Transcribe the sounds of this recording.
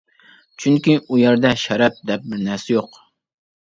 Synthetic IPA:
t͡ʃʰyŋkʲiujɛɾd̪ɛʃɛɾɛp̚d̪ɛp̚bɪɾnæɾsɛjoq

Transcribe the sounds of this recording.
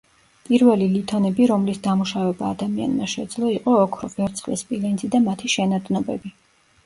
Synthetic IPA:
pʼiɾvɛlilit̪ʰʼɔnɛbiɾɔmlisd̪amuʃavɛbaːd̪amia̰nmaʃɛd̪zlˠɔiqʼɔːkʰɾɔ̰vɛɾt̪sʰχlɛ̰spʼilɛnzid̪amat̪ʰiʃɛnad̪ʼnɔbɛbi

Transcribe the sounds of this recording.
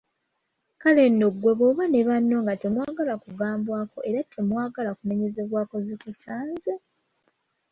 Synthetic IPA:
kale̞ndo̞ɡwe̞βo̞ːβane̞βanːo̞ːŋɡate̞mwaːɡalakuɡaːmbwaːko̞ʔe̞ɾatʰe̞mwaːɡalakune̞ɲe̞ze̞βwaːko̞zitusaːnze

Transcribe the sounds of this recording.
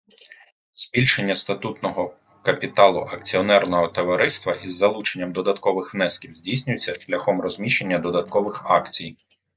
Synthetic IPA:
z̥ʲbʲilʲʃe̞nʲːɐst̪ɐt̪ut̪nɔɦɔ | kɐpʲit̪ɑlˠʊ̰ʔɐk̚t͡sʲiɔnɛrnɔɦɔt̪ɔʋɐɾɪst̪ʋɐʔizːɐlˠut͡ʃenʲːɐmd̪ɔd̪ɐt̪kɔʋɪxnɛskʲiwzʲdʲijsʲnʲʊjet͡sʲːɐʃlʲɐxɔmrɔzʲmʲiʃe̞nʲːɐd̪ɔd̪ɐt̪kɔʋɪxɑkt͡sʲij

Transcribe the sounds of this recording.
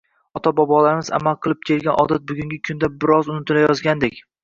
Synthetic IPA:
ɒt̪ʰabɒbɒlaɾɪmɪza̰malˠqʰɨlˠɪp̚kʲʰe̞ɾɡʲanʔɒ̰d̪at̪̚bʊɡʲʊŋʲɪkʰʊnd̪abɪɾɒzʊnɪt̪ʰɪlajɒzɡʲand̪ekʲ

